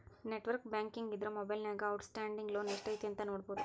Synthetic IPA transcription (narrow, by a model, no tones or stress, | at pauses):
neʈːʋɐɾkbaːŋkiŋɡid̪ɪɾɐmɔbɐjlnaːɡɐɐʊʈsʈaːɳɖiŋɡloːneʂʈɐjt̪ɛnt̪ɐnoːɽpoːd̪u